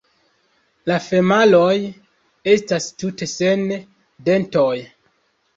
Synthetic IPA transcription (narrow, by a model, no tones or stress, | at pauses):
lafe̞malo̞j | e̞stastute̞se̞n | de̞nto̞j